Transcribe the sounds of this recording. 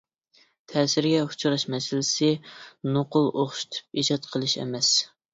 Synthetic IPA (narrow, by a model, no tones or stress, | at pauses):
t̪ʰɛːsɪɾɡʲɛu̥t͡ʃʰuɾɑʃmɛsɪlɪsɪnoqʊlˠʔoχʃu̥t̪ʰu̥p̚id͡ʒɑt̪̚qʰəlˠɨʃɛ̰mɛs